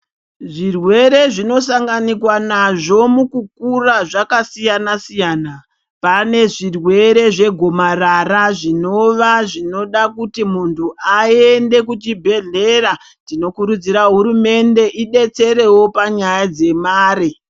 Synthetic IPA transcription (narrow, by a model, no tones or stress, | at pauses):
ʐirwe̞ɾe̞ʐino̞saŋɡanikwanaʐo̞mukukuraʐakasijanasijaːna | pane̞ʐirwe̞ɾe̞ʐe̞ɡʱo̞mararaʐino̞ʋaʐino̞ɗakutimuntʰuae̞nde̞kut͡ʃibʱe̞ɮe̞ra | tino̞kuɾud͡ziɾaɦuɾume̞nde̞ʔiɗe̞t͡se̞ɾe̞wo̞paɲajad͡ze̞maːɾi